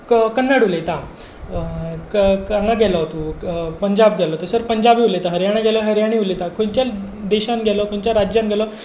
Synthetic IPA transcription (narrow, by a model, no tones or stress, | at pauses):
kənːaɽulet̪a | kãŋɡaɡʱɛləɦot̪opəɲd͡ʑab̚ɡʱɛlɔt̪osəɾpəɲd͡ʑabiulet̪aɦəɾjaɽ̃ãɡɛləɦəɾjaɽ̃iulet̪akʰont͡ɕal | d̪eɕanɡʱɛlɔkoɳ̃t͡ɕjaɾad͡ʑjanɡʱɛlɔ